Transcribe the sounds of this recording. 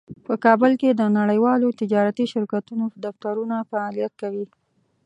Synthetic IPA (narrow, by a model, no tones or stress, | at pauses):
pəkɑbəlked̪ənaɽəjwɑlot̪ɪd͡ʒɑɾat̪iʃɪɾkat̪unod̪aft̪aɾunafaːlijat̪̚kawi